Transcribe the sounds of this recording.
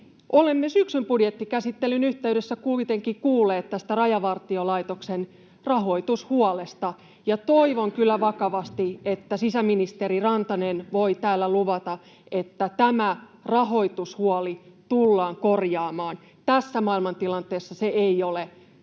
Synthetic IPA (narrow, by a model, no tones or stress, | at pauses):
ʔolemːesyksympudjet̪ːikæsit̪ːelːynyht̪eydesːækuit̪eŋkikuːlːeːt̪t̪æst̪ærɑjɑʋɑrt̪iolɑit̪oksen | rɑɦo̞it̪ushuolest̪ɑ | jɑt̪o̞iʋoŋkylːæʋɑkɑʋɑst̪iet̪ːæsisæminist̪eɾirɑnt̪ɑnenʋo̞it̪æːlːæluʋɑt̪ɑ | ʔe̞t̪ːæt̪æmærɑɦo̞it̪ushuɑlit̪ulːɑːŋkorjɑːmɑːn | t̪æsːæmɑilmɑnt̪ilɑnt̪eːsːɑseeiole